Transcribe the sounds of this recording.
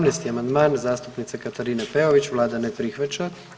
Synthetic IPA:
mnejst̪iamand̪maːnzaːst̪upnit̪sekat̪aɾiːnepeoʋit͡ɕʋlˠaːd̪anepɾixʋat͡ɕa

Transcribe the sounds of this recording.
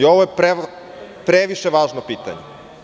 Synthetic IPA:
ioʋojepɾe | pɾeʋiʃeʋaːʒnopiːt̪a̰ɲe

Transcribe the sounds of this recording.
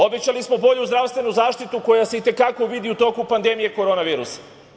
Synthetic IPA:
o̞bet͡ɕalismo̞bo̞ʎuzd̪ɾaʋst̪ʋe̞nuzaːʃt̪it̪uko̞jase̞it̪e̞kako̞ʋid̪iut̪o̞ːkupand̪e̞mije̞ko̞ɾo̞naʋiːɾusḁ

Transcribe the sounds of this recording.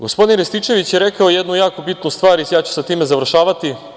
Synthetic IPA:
ɡo̞spo̞d̪inɾest̪it͡ʃe̞ʋit͡ɕjeɾekaojed̪nujaːko̞bit̪nust̪ʋaːɾisjaːt͡ɕu̥set̪iːmezaʋr̩ʃaːʋat̪i

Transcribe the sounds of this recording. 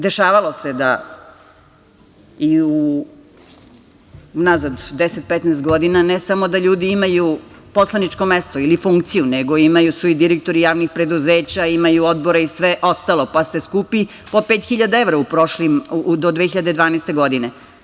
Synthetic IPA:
d̪e̞ʃaːʋalo̞se̞d̪a̰ | iu | nazad̪d̪eset̪̚pɛt̪nɛːst̪ɡo̞d̪inanɛsamo̞d̪aʎuːd̪iimajupo̞slˠanit͡ʃko̞mest̪oilifuŋkt̪sijuneɡo̞imajusuid̪iɾek̚t̪o̞ɾijaːʋnixpɾe̞d̪uzeːt͡ɕaimajuod̪boɾeisʋeʔo̞st̪alˠo̞past̪e̞skupi | opeːt̪xiʎad̪aeʋɾaupɾoʃlimud̪od̪ʋeçiʎad̪e̞d̪ʋaːnest̪e̞ɡo̞d̪ine

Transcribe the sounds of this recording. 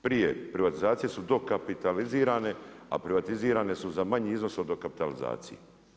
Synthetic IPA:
pɾijḛpɾiʋat̪izaːt̪sije̞sud̪o̞kapit̪aliziːɾaːne̞a̰pɾiʋat̪iziːɾaːne̞suzamaɲiiznosod̪okapi̥t̪alḭza̰ːt̪sijḛ

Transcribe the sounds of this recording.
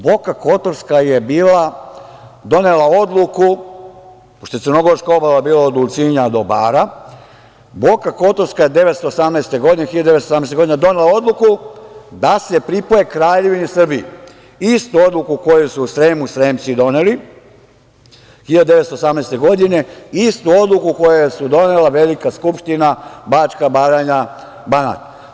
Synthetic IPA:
bo̞kako̞t̪oɾskajebiːla | d̪o̞ne̞lao̞d̪luku | poʃt̪ojtsrɾno̞ɡo̞ɾskao̞balabiːlaod̪ult̪siɲad̪o̞baːɾa | bo̞kako̞t̪o̞ɾskaje̞d̪e̞ʋet̪st̪o̞ːsamnejst̪e̞ɡo̞d̪inexiʎad̪d̪esosamneseɡo̞d̪ined̪o̞ne̞lao̞d̪lukud̪ase̞pɾipoje̞kɾaːʎe̞ʋinisr̩bii | ist̪uo̞d̪lukuko̞jusuːsɾe̞ːmusɾe̞ːmt̪sid̪o̞neli | xiʎad̪ud̪eʋet̪st̪oːsamnejst̪e̞ɡo̞d̪ine̞ist̪uo̞d̪lˠukuko̞jejesud̪o̞nelaʋe̞likaskupʃt̪inabat͡ʃkabaːɾaɲa | bana̰t̪

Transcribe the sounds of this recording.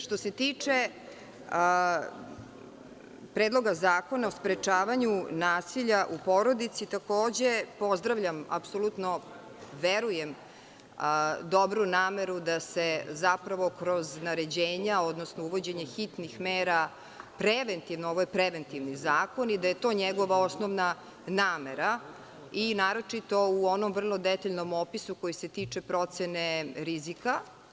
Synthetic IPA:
ʃt̪ose̞t̪iːt͡ʂe | pɾeːd̪lˠo̞ɡazaːko̞naospɾet͡ʂaːʋaɲunaːsiʎaʔupo̞ɾo̞d̪it̪sit̪akoːd͡ʑe̞po̞zd̪ɾaʋʎʲama̰psolut̪no | ʋeɾujem | d̪o̞bɾunaːmeɾud̪asezapɾaʋo̞kɾo̞znaɾe̞d͡ʑeːɲao̞d̪nosnouʋo̞d͡ʑe̞ɲexit̪nixmeːɾa | pɾeʋent̪iʋnooʋojepɾeʋent̪iʋnizaːko̞nid̪aje̞t̪o̞ːɲeɡo̞ʋao̞snoʋna | naːmeɾa | inaːɾo̞t͡ʂit̪o̞uonomvr̩lˠo̞d̪et̪aʎnomopisuko̞jise̞t̪iːt͡ʂepɾo̞t̪seneɾizika

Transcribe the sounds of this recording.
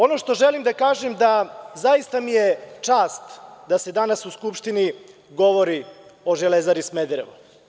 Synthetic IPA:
o̞noʃt̪o̞ʒelimd̪akaːʒemd̪azaist̪amijet͡ʂaːst̪d̪ased̪anasuskupʃt̪ini | ɡo̞ʋo̞ɾio̞ʒelezaɾismed̪ɾeʋu

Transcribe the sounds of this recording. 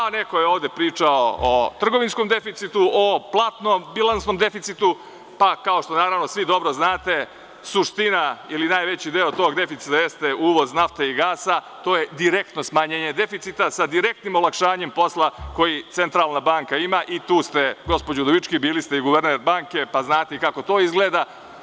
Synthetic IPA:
ane̞kojeo̞ːʋd̪e̞pɾiːt͡ʂaoot̪r̩ɡo̞ʋinsko̞md̪e̞fit̪sit̪uoplˠaːt̪nombilˠansno̞md̪e̞fit̪sit̪u | pakao̞ʃt̪onaːɾaʋno̞sʋid̪o̞bɾoznaːt̪e̞ | suʂt̪inailinaːjʋet͡ɕid̪eːot̪o̞ːɡd̪e̞fit̪it̪ajest̪e̞ʔuːʋo̞znaft̪eiɡaːsa | t̪o̞ːje̞d̪iɾe̞k̚t̪no̞smaɲeːɲe̞d̪e̞fit̪sit̪asad̪iɾe̞k̚t̪nimo̞lakʃaːɲe̞mpo̞slˠako̞jit̪sent̪ɾaːlnabaːŋkaimaʔit̪uːst̪e̞ɡo̞spod͡ʑod̪oʋit͡ʃkibiːlist̪e̞iɡuʋeɾneːɾbaːŋke̞paznaːt̪eikako̞t̪o̞ːizɡleːd̪a

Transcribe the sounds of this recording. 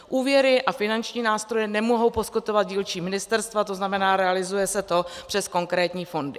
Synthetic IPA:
ʔuːvjɛɾɪʔafɪnant͡ʃɲiːnaːst̪ɾo̞jɛnɛmoɦo̞wposkɪt̪ovat̪̚ɟiːlt͡ʃiːmɪnɪst̪ɛɾst̪vat̪o̞znamɛnaːɾɛalɪzujɛsɛt̪o̞pr̥ɛsko̞ŋkɾɛːt̪ɲiːfo̞ndɪ

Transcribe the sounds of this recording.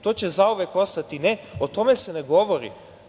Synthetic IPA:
t̪o̞t͡ɕezaoʋeko̞st̪at̪ineot̪o̞me̞seneɡoʋo̞ɾḭ

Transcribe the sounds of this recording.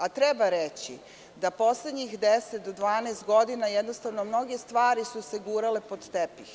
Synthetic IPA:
at̪ɾebaɾet͡ɕi | d̪apo̞sled̪ɲixd̪eset̪̚d̪od̪ʋaːneːst̪ɡo̞d̪inajed̪no̞st̪aʋno̞mno̞ɡe̞st̪ʋaːɾisuseɡuːɾale̞po̞d̪t̪epix

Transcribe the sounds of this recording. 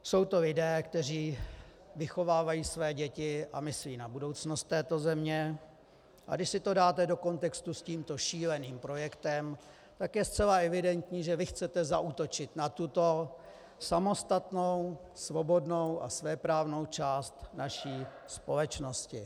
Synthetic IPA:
so̞wt̪o̞lɪdɛːkt̪ɛr̝iː | vɪxo̞vaːvajiːsvɛːɟɛcɪʔamɪsliːnabudo̞wt͡snost̪ːɛːt̪o̞zɛmɲɛ | ʔa̰ɡdɪʃsɪt̪o̞daːt̪ɛdo̞ko̞nt̪ɛkst̪usciːmt̪o̞ʃiːlɛniːmpɾo̞jɛkt̪ɛm | t̪akjɛst͡sɛlaɛvɪdɛnt̪ɲiːʒɛvɪxt͡sɛt̪ɛzaʔut̪o̞t͡ʃɪt̪nat̪ut̪o̞ | samo̞st̪at̪no̞w | svo̞bo̞dno̞wʔa̰svɛːpɾaːvno̞wt͡ʃaːst̪naʃiː | spo̞lɛt͡ʃno̞scɪ

